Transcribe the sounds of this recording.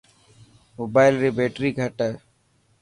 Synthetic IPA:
moːbaːɪlɾiːbeːʈɾiːɡʱəʈə

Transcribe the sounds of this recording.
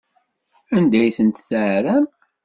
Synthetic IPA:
ænd̪æjθənt̪sʕɾæm

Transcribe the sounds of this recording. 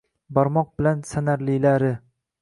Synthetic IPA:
bɒɾmɒq̚bɪlansanaɾlɪlaɾɪ

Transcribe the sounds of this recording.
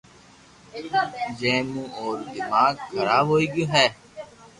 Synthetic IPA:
d͡ʒẽːmũːoːɾd̪ɪmaːɡkʰːəɾaːbɦoːiːɡiɦɛː

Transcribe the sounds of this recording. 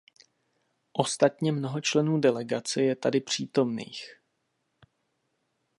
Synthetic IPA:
ʔo̞st̪at̪ɲɛmno̞ɦo̞t͡ʃlɛnuːdɛlɛɡat͡sɛjɛt̪adɪpr̝̥iːt̪o̞mnḭːx

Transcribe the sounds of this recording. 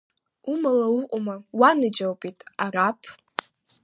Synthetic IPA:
umalauqʷʼʊmawanɨd͡ʒawpʼitʼarapʰ

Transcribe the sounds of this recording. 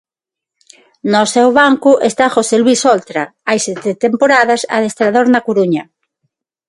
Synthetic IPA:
nosɛwβaŋkuʔest̪axoselwisolt̪ɾaajset̪et̪empoɾaðasa̰ðest̪ɾaðoɾnakuɾuɲa

